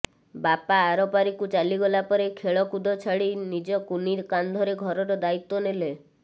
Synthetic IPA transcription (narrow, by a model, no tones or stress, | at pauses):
bapaːɾɔpaɾikut͡ʃaliɡɔlapɔɾekʰeɭɔkud̪ʱɔt͡ʃʰaɭinid͡ʒɔkuniɾkand̪ʱɔɾeɡʱɔɾɔɾɔd̪ait̪ːɔnele